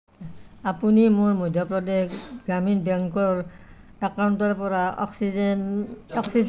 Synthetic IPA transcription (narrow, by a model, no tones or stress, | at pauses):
apunimʊɹmɔjdʱjɔpɹɔdɛxɡɹaminbɛŋkɔɹ | akawntɔɹpɔɹaɔ̰ksinɔksiz